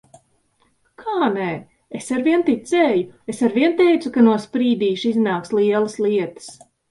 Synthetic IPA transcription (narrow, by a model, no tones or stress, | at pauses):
kʰaːnɛ | esaɾviɛnt̪it̪sɛːjuesaɾviɛnt̪ɛjt̪sukanuɔspɾiːd̪iːʃiznaːkslˠiɛlˠɐsliɛt̪ə̥s